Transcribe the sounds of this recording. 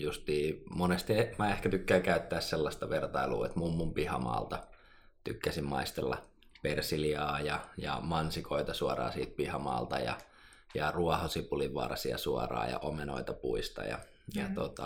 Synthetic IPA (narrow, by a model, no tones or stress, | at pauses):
just̪iːmonest̪iemæehkæt̪ykːæːkæyt̪ːæːsselːɑst̪ɑʋert̪ɑilṵːet̪mumːumpihɑmɑ̰ːlt̪ɑ | t̪ykːæsimmɑist̪elːɑ̰ | persiliɑːjɑjɑ̰mɑnsikʰoit̪ɑsuɑrɑ̰ːsiːt̪̚pihɑmɑ̰ːlt̪ɑjɑ̰ | jɑruɑhosipuliʋʋɑ̰rɑsiɑ̰suɑrɑ̰ːjɑ̰ʔomeno̰it̪ɑpuist̪ɑ̰jɑ̰ | jɑt̪ot̪ɑ